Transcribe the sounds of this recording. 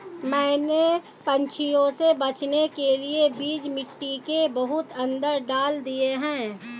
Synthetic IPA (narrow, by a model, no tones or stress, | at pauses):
mɛ̃ːne | pɐ̃nt͡ʃʰijõsebɐt͡ʃnekeliebiːd͡ʒmɪʈːikebəɦʊt̪ə̃nd̪əɾɖaːld̪ieɦɛ̃ː